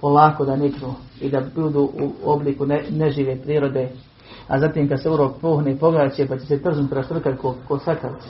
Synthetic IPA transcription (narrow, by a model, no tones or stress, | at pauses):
polaːko̞d̪anikɾuːid̪abud̪uːʔṵobliːkuneneʒiːʋeːpɾiːɾo̞d̪e | a̰zaːt̪iːmkad̪seuɾoːk̚poːɦnipo̞ɡaːt͡ɕepat͡ɕeset̪r̩znut̪kɾast̪ɾr̩kalkokosakal